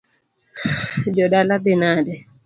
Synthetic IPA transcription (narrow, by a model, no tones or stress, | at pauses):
d͡ʒɔɗalabinadɛ